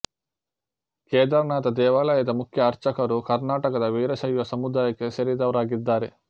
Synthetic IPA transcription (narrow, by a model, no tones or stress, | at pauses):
kɛːd̪ɐɾɐnaːt̪ɐd̪ɛːʋaːlaːjɐd̪ɐmukʰjɐːɾt͡ʃɐkɐɾukɐɾnaːʈɐkɐd̪ɐʋiːɾɐʃɐjʋɐsɐmud̪aːjɐkeʃɐɾid̪ɐʋɾaːɡid̪ːaːɾe